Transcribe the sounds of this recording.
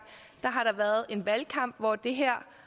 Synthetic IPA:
d̥ɑ̈ɦɑ̈ɾ̥ɑ̈ʋæːɐð̞ˠe̝nʋælkʰɑ̈m̰b̥ʋɒd̥e̝ɦæɐ̰

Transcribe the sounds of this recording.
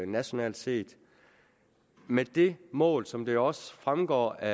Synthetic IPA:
næɕo̝nɛ̰ːld̥se̝̰ːd̥ | med̥e̝mɔ̰̽ːlsɒ̽md̥e̝ɒ̽sfʁamɡ̥ɒ̰ːæ

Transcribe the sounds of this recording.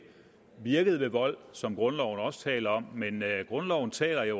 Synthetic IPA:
ʋiɐɡ̥əð̞̩ˠʋe̝ʋɒ̽l̰sɒ̽mɡ̥ʁɔ̽nlɒʊ̰n̩ɒ̽sə̥t͡sʰɛ̰ːlɐɒ̽m̰menɡ̥ʁɔ̽nlɒʊn̩t͡sʰɛ̰ːlɐjo̝

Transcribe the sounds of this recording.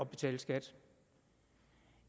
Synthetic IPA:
ɒ̽b̥e̝t͡sʰɛ̰ːləsɡ̥æd̥

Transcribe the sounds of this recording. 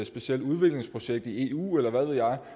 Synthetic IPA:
ed̥sb̥e̝siel̰d̥uð̞ˠʋe̝ɡ̥le̝ŋspʰʁo̝ɕeɡ̥̚d̥ie̝ːṵːelɐʋæðˠʋe̝jɑ̈ɪ

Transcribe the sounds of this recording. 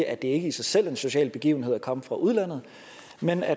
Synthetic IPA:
ʔæd̥e̝e̝ɡ̥əisɑ̈ɪsel̰e̝nso̝ɕɛ̰ːlb̥e̝ɡ̥ḭːʊn̩he̝ð̰ˠækʰɒ̽məfʁɑ̈ʔuð̞ˠlæn̰ð̞̩ˠ | menæ

